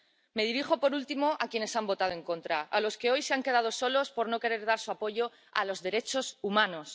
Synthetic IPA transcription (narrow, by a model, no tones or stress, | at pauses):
me̞ð̞iɾixo̞po̞ɾult̪imo̞ʔakje̞ne̞sambo̞t̪að̞oeŋkõ̞nt̪ɾaalo̞ske̞o̞jse̞aŋke̞ð̞að̞o̞so̞lo̞spo̞ɾno̞ke̞ɾe̞ɾðaɾsuapo̞ʝo̞ | a̰lo̞zðe̞ɾe̞t͡ʃo̞sumãno̞s